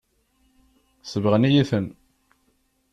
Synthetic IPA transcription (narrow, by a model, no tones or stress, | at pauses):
səvʁnijiθən